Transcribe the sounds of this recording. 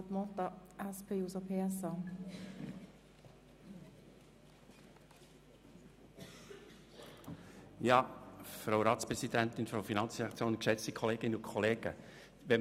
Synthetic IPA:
t̪mɔt̪ɑæspʰeːusopʰeːɛsɑ | jɑːfɾawɾɑːt̪t͡spɾɛsid̥ænt̪ɪnfraʊfinɑnt͡sʁɛɑkt͡sjoːnkʃɛt͡stikʰɔleːɡɪnːəʊkʰɔleːɡ̥ə | ʋɛ

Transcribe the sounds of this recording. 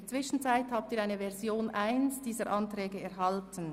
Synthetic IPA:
dɐt͡sv̥ɪʃn̩t͡saɪthaːb̚tiːʁaɪnəvɛʁzjoːnʔaɪnsd̥iːzəɾʔɑntʁɛːɡəɛʁɦɑltən̩

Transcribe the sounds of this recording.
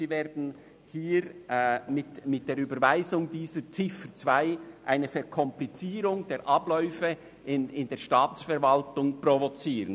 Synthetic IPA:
ziːveːɾdn̩ | hiːɾmɪtmɪt̚d̥eːɾyːbəɾvaɪzʊŋdiːzət͡sɪfət͡svaɪʔaɪnəfɛʁkʰɔmplit͡siːɾʊŋd̥eːɾʔɑblɔʏfə | ʔɪnɪndeːʃtɑːt͡sfɛɾvɑltʊŋprovot͡siːʁən

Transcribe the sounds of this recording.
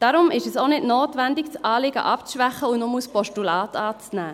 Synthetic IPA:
d̥ɑːɾʊmɪʃɛsonɪdnoːtʋændɪkt͡sʔɑːlɪɡə̰ʔɑpt͡sʃʋæχəʊnʊmuspɔʃtulɑːtɑːt͡snæː

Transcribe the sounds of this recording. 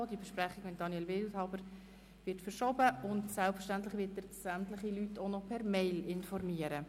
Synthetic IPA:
diəbəʃpɾæχɪɡ̥mɪt̚d̥ɑnjɛlvɪlthɑʊbəɾ | ʋɪtfəɾʃobəʊndsælpfəʃtantlɪχʋɪtəɾsæmtlɪχilytʰːonɔpʰɛɾmeɪlɪnfɔrmiːəɾə

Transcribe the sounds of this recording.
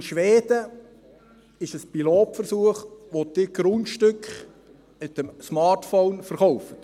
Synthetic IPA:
ɪnʃʋeːd̥̪ə | ɪʃəspiloːtfəɾsuəχʋod̥̪ɪɡɾʊntʃtʏkχ | mɪt̪əmsmɑːɾtfownfəɾχɔwfə̥t

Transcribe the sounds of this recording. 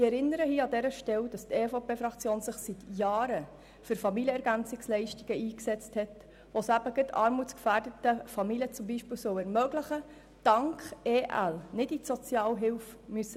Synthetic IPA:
iɛɾɪnːəɾəhiːɑdɛɾəʃtɛwd̥ɑst̪eːfopʰeːfɾɑkt͡sjoːnsɪχsitjɑːɾə | fʏɾfɑmiljəɛɾɡænt͡sɪkslɛɪʃtiɡ̥əiːksɛt͡sthɛt | ʋosæb̥əɡətʰɑ̰ːɾmut͡skfæːrdətəfɑmiljət͡sʊmbiːʃpɪːwsœwɛɾmœɡlɪχə | d̥ɑŋkχeːʔæ̰lnɪdisɔt͡sjɑːlɦɪlfmysə

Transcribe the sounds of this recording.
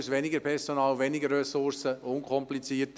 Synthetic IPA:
sʋɛnɪɡəɾpʰɛɾsonɑːlʋɛnɪɡərːɛsʊrsəʊnkʰɔmplit͡siːət

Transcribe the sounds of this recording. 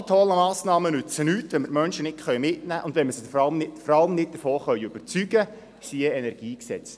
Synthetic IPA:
t̪ʰɔlːəmɑːsnɑːmənʉt͡sənytʋɛnməɾmœnʃənɪtχœjmɪtnæːʔʊndʋɛnməsədfɑlmnɪfɔɾɑlmnɪt̚d̥̪əfoːχœʏøb̥əɾt͡syɡə | siəɛnɛɾɡ̥iːksɛt͡s

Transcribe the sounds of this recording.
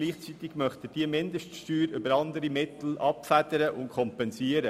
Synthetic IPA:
liːχt͡sit̪ɪɡ̥mœχt̪əd̥iəmɪnd̪əʃtʃtyːɾʏbəɾɑnd̪əɾimɪt̪l̩ʔɑpfæd̥̪əɾəʔʊntkʰχɔmpɛnsiːəɾə

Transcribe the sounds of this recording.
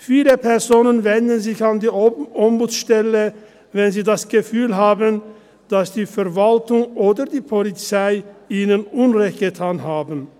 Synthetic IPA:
fiːləpʰɛɐzoːnənvɛndn̩zɪçandiːʔɔmbut͡sʃtɛlə | vɛnziːdasɡ̥əfyːlɦaːbən | d̥asd̥iːfɛɐvaltʊŋʔoːdɐdiːpʰɔlit͡saɪʔiːnənʔʊnʁɛçt̚ɡ̥ətʰaːnɦaːbn̩

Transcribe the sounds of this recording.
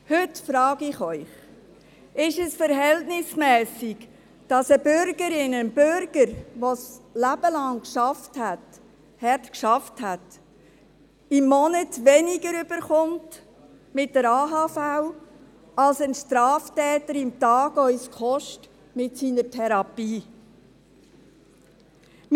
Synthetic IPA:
hʉtfɾɑːɡɪχœʏχ | ɪʃəsfəɾɦɛltnɪsmɛːsɪɡ | d̥ɑsəbʏɾɡəɾɪnənbʏɾɡ̥əɾʋoslæb̥əlɑŋkʃɑfthæt | hɛtkʃɑfthæt | ɪmːɔnətʋɛnɪɡəɾʏb̥əɾχʊnt | mɪt̚dəɾɑːɦɑːfaw | ɑlsənʃtɾɑːftɛːtəɾɪmtɑːɡœʏskχɔʃt | mɪtsiːnəɾtʰɛɾɑpiː

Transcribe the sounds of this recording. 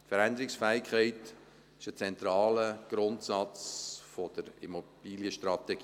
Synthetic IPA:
tfəɾændəɾɪksfɛːɪkχɛɪt | ɪʃət͡sɛntɾɑːləɡ̥ɾʊntsɑt͡sfɔd̥əɾḭmob̥iːljəʃtɾɑtɛɡ̥i

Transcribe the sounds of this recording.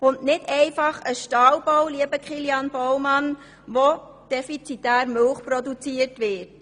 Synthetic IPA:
ʊntnɪdɛɪfɑχəʃtɑːlbɔwliəbəkχiljɑnb̥ɔwmɑn | ʋo | d̥ɛfit͡sitæːɾmʏlχprɔdut͡siətʋɪt

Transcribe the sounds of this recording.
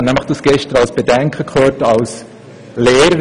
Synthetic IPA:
nɛmɑχd̥̪usɡ̥ɛʃtəɾɑlsb̥edɛŋkʰəkχøːtɑls | leːɾəɾ

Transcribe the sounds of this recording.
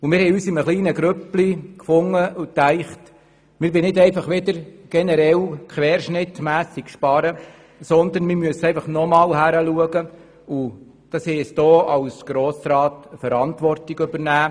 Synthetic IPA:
umɪːɾhɛjyːsɪməχliːnəɡɾøplikfʊŋːəut̪æɪχt | mɪːɾbɪnɪdɛɪfɑχʋɪd̪əɾɡ̥ɛnɛɾɛlkχʋɛːɾʃnɪtmæːsikʃpɑɾə | sɔnd̪ənmɪmyəsɛɪfɑχnɔmɑːlɦæɾəluəɡə | u | d̥ɑshɛɪɛsd̥̪oːɑwsɡ̥ɾoːsɾɑːtfəɾɑntʋɔrtiɡʉbəɾnæː

